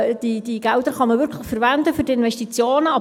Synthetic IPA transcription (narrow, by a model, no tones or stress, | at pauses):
d̥id̥iɡɛld̥̪əɾχɑməvʏɾkʰləχfəɾvændəfʏɾdiɪnvɛstit͡sjoːnəɑ